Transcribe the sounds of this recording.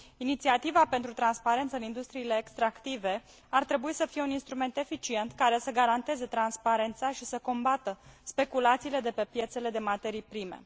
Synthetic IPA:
init̪siat̪ivape̞nt̪ɾut̪ɾanspaɾe̞nt̪səɨnind̪ust̪ɾiːle̞ːkst̪ɾakt̪ive̞ | art̪ɾe̞buisəfije̞uninst̪ɾume̞nt̪e̞fit͡ʃie̞nt̪kaɾe̞səɡaɾant̪e̞ze̞t̪ɾanspaɾe̞nt̪saʃisəko̞mbat̪əspe̞kulat̪siːle̞d̪e̞pe̞pje̞t̪se̞le̞d̪e̞mat̪e̞ɾijpɾimḛ

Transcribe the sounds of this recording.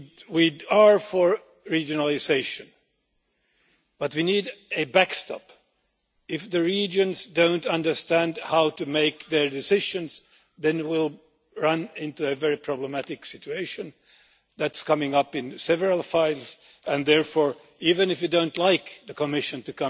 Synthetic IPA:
wiə˞fə˞ | ɹid͡ʒɨnəl̩ˠɪzeɪʃɨ̃n | b̥ʌt̚winiɾɨbækstɑ̰p | ɪfðɨɹid͡ʒɨ̃nzdõʊ̃ntʌ̃ndə˞stæ̃ndhaʊtɨmeɪkðə˞dɨsɪʒɨ̃nz̥ | ðɨ̃nwɪlˠ | ɹʌ̃nɪ̃ntuɨvɛɹipʰɹ̥ɑbləmæɾɨksɪt͡ʃʉeɪʃɨ̃n | ðætskʰʌmɪ̃ŋʌpɨ̃nsɛvəɹəl̩ˠfaɪlˠz̥ | ɨ̃nðɛɹfɔɹ | ivɨ̃nɨfjɨdõʊ̃ntˡlaɪkðɨkʰəmɪʃɨ̃ntɨkʰʌ̃

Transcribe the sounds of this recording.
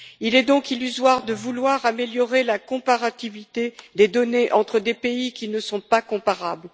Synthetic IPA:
ilɛd̪ɔ̃kilyzwaʁd̪əvulwaʁameljɔʁelakɔ̃paʁat̪ivit̪ed̪ed̪ɔneʔɑ̃t̪χəd̪epeikʲinəsɔ̃pakɔ̃paʁabl

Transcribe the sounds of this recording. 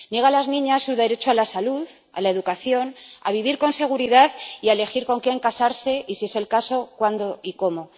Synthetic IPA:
nje̞ɣalaznĩɲasːuðe̞ɾe̞t͡ʃoalasaluð | a̰laeðukaθjo̞na̰β̞iβ̞iɾko̞nse̞ɣ̞uɾiðaðiaele̞xiɾko̞ŋke̞ŋkasaɾse̞ʔisie̞se̞lkaso̞kwand̪o̞iko̞mo̞

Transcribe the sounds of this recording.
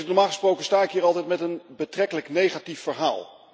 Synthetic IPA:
tnɔɹmaːlˠχəsprowkənstaːɪkɦiːɾɑlˠtɛjtmɛtənbətrɛkələknejχatifːəɹɦa̰ːlˠ

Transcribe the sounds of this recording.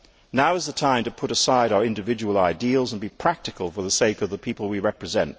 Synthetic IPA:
naʊɨzðətʰãɪ̃mtɨpʰʊɾəsaɪɾaʊə˞ɪ̃ndɨvɪd͡ʒəwəlˠaɪdilˠzə̃n̩bipʰɹ̥æk̚tɨkəlˠfə˞ðəseɪkʌvðəpʰipəl̩ˠwiɹɛpɹɨzɛ̃nt

